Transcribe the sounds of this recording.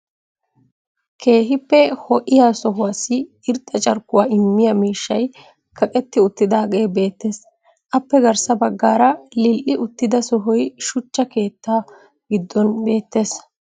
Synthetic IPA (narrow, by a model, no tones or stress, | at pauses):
kʰe̞ːɦɪpːɛhɔʔɪjaːsɔɦʊwasɪ | ɪɾt̪ʼːɐt͡ʃʼɐɾkːʊwaːɪmːɪjɐmiːʃːɐj | kʰɐkʼɛt̪ːɪʊt̪ːɪd̪aːɡʼe̞ːbe̞ːt̪ːe̞ːs | ʔɐpːɛɡɐɾsɐbɐɡːaːɾɐlɪlʔɪʔʊt̪ːɪd̪ɐsɔɦɔjʃʊt͡ʃːɐke̞ːt̪ːaː | ɡɪd̪ːɔnbe̞ːt̪ːe̞ːs